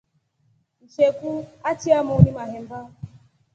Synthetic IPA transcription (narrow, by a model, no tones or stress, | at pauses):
n̩ʃekuatiamʊnimaɦem̩ba